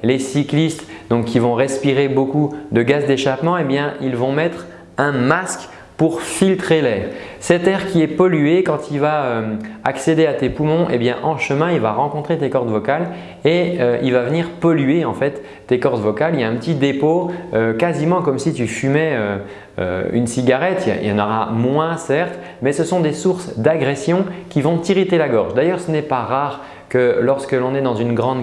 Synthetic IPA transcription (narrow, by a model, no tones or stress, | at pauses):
lesiklist̪d̪ɔ̃kʲːivɔ̃ʁɛspiʁebokud̪əɡazd̪eʃapmɑ̃ebjɛ̃ilvɔ̃mɛt̪χ | ɛ̃mask | puʁfilt̪χelɛːʁ | sɛt̪ɛʁkʲiɛpɔlyekɑ̃t̪ilvaømaksed̪eat̪epumɔ̃ʔḛbjɛ̃ʔɑ̃ʃəmɛ̃ilvaʁɑ̃kɔ̃t̪χet̪ekɔʁd̪vɔkal | eøilvavəniʁpɔlyeɑ̃fɛt̪ː | ekɔʁd̪vɔkalijaɛ̃pət̪id̪epoøkazimɑ̃kɔmsit̪yfymɛø | ø̰y̰nsiɡaʁɛt̪jɑ̰̃nəʁa̰mwɛ̃sɛʁt̪ | mɛsəsɔ̃d̪esuʁsd̪aɡʁɛsjɔ̃kʲivɔ̃t̪iʁit̪elaɡɔʁʒd̪ajœʁsənɛpaʁaːʁ | kəlɔʁskəlɔ̃nɛd̪ɑ̃zynɡʁɑ̃d̪